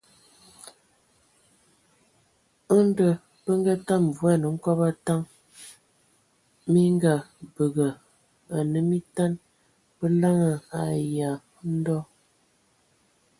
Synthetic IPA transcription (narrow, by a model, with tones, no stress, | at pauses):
ə˦n˦də˨ | pə˦ŋ˦ɡa˦ta˦m˨vu˨˦a˦˨nə˨ŋ̩˦kɔ˦pa˦ta˦ŋ | mi˦ŋɡa˨bə˨ɡə˨ | a˨nə˨mi˦ta˦n | pə˦la˦ŋə˨a˨ja˨˦ | n̩˦dɔ˦